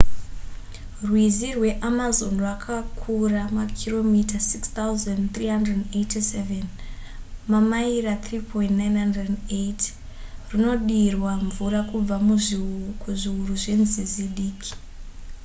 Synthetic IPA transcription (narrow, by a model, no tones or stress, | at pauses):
rwizirwe̞ʔamazo̞nrwakʰakʰuramakʰiro̞mitasikst̪auzandt̪riɦandredndetiseven | mamairat̪riːpʰo̞intnajnɦandrededeit | rino̞ɗirwaɱvurakub͡vamukuʐiuruʐe̞nziziɗiːkʰi̥